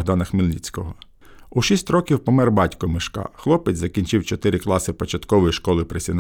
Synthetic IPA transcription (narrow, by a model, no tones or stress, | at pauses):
ɦd̪ɑnɐxmɪlʲlʲḭt͡sʲkɔɦɔ | uʃisʲtʲrɔkʲiwpɔmɛrbɑtʲkɔmɪʃkɑ̰xlˠɔpet͡sʲzɐkʲinʲt͡ʃɪwt͡ʃɔt̪ɪɾɪklˠɑsɪpɔt͡ʃɐt̪kɔʋɔjiʃkɔlˠɪpɾesʲin